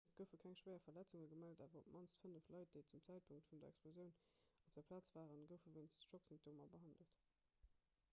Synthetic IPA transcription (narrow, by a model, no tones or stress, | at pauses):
ɡ̥əʊfəkʰæŋʃwɜɪɐfɐlæt͡suŋəɡəmældaːvɐʁopmʔɑnstfənəflɑɪt̚d̥eɪt͡sumt͡sæɪt̚pʰuŋk̚tfundɐɛ̰ksplozjəʊnop̚d̥ɐpʰlaːt͡sv̥aːʁənɡəʊfəveɪnsʃoksintʰoːmɐbəɦɑndəlt